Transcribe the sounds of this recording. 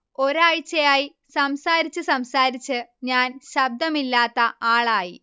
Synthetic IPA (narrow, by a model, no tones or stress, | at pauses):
o̞ɾaːjt͡ɕːɐjaːji | sɐmsaːɾit͡ɕːɨsɐmsaːɾit͡ɕːɨɲaːnɕɐb̚d̪ɐmilːaːt̪ːɐaːɭaːji